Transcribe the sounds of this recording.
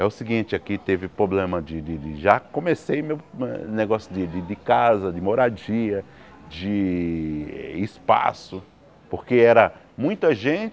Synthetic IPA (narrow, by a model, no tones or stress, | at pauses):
ɛʊsɪɡĩnt͡ʃɪakit̪evɪpɾoblẽmɐd͡ʒɪd̪ɪd̪ɪʒakõmesejmewɛneɡɔsjʊd̪ɪd̪ɪd̪ɪkazɐd͡ʒɪmoɾad͡ʒiɐ | d͡ʒɪ | ɛːspa̰sʊ | poɾkeɛɾɐ | mũj̃t̪ɐʒẽt͡ʃɪ